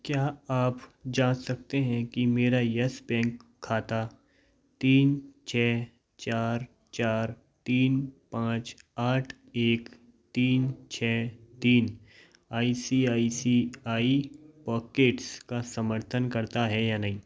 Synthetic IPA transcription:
kjaːaːpd͡ʒãːsɐk̚t̪eɦɛ̃kimeːɾajɛsbɛ̃ːŋkʰːaːt̪a | t̪iːnt͡ʃʰɛː | t͡ʃaːɾ | t͡ʃaːɾ | t̪iːnpãːt͡ʃaːʈʰ | eːk | t̪iːnt͡ʃʰɛːt̪iːn | aːisiaːisiaːipɔːkeːʈskasɐməɾt̪ʰənkɐɾt̪aɦɛjaːnɐɦĩː

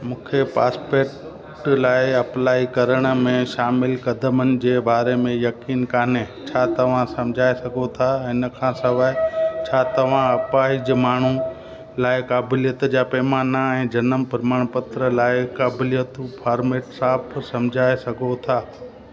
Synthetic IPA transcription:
mũːkʰepa̰ːspeːɾ | ʈlaːɪɐplaːikɐɾəɽ̃̆mẽʃaːmɪlkɐd̪əmənɪ̆d͡ʑeːbaːɾemẽjɐkiːnkaːne | t͡ɕʰaːt̪ɐʋ̤ãsɐmd͡ʑʱaːesɐɡʱot̪ʰaɦɪnə̆kʰãːsɐʋaːɪt͡ɕʰaːt̪ɐʋ̤ãɐpaːid͡ʑmaːɳ̤ũ | laːɪkaːblijət̪d͡ʑaːpɛːmaːnaɛ̃ːd͡ʑɐnəmpɾmaːɽ̃pɐt̪ɾəlaːɪkaːblijət̪upʰaːɾmeːʈsaːpʰsɐmd͡ʑʱaːesɐɡʱot̪ʰaː

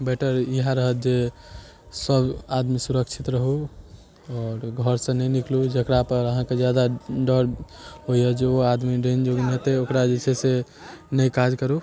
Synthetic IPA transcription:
beʈəɾiɦãɾəɦət̪̚d͡ʒe | səbad̪misuɾəkt͡ʃʰit̪ɾəɦu | ɔːɾɡʱəɾsə̃nəjniklud͡ʒekɾapəɾəɦãked͡ʒjad̪aɖəɾ | ɦoiɦəd͡ʒeoad̪miɾend͡ʒoɡinɦet̪eokɾad͡ʒet͡ʃʰese | nəjkad͡ʒkəɾu

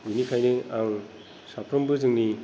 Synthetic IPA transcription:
jinikʰajnɯaŋ | sapʰɾɯmbɯzɯŋni

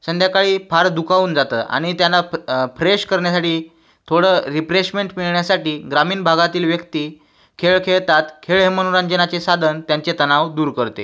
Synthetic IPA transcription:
sənd̪ʱjakaɭiːpʰaɾd̪ukauːnd͡zat̪əːʔa̰ɽ̃it̪janafɾeɕkəɾɳjas̬aʈiː | t̪ʰoɽəːɾipɾeɕmeɳʈmiɭɳjasaʈiːɡɾamiːnbʱaɡat̪iːlʋjəkt̪iː | kʰeɭkʰeɭt̪at̪kʰeɭɦemənuɾãnd͡ʑənat͡sesad̪ʱənt̪jaɲt͡set̪ənaʋd̪uːɾkəɾt̪ḛ

